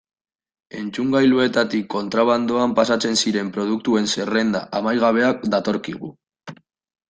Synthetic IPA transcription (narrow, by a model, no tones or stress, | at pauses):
e̞nt͡suŋɡajlue̞t̪at̪ikːo̞nt̪ɾaβ̞and̪o̞ampasat͡se̞nsiɾe̞mpɾo̞ð̞uk̚t̪ue̞nse̞re̞nd̪a̰ʔamajɣaβ̞e̞ak̚d̪at̪o̞ɾkiɣ̞ṵ